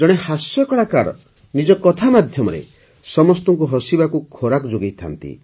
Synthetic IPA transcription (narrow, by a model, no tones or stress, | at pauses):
d͡ʒɔɽ̃ehasjɔkɔɽaka̰ɾɔ̰ | nid͡ʒɔkɔt̪ʰamad̪ʱjɔmɔɾḛ | sɔmɔst̪ɔŋkuɦɔsibakukʰoɾakɔd͡ʒoɡejt̪ʰa̰nt̪ḭ